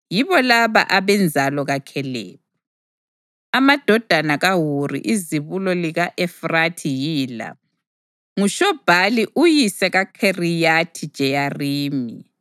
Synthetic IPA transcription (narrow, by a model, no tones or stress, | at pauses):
jiβɔlaβa̰ʔaβɛnd͡zʱalɔɣakʰɛlɛ̰ːβɔ | amad̥ʱɔd̥ʱanaɣaɦurḭʔiziβulɔliɣaʔɛfratʰijiːla̰ | ŋuʃɔb̥ʱaliʔujisɛɣakʰerijatʰid̥ʒ̥ʱɛjariːmḭ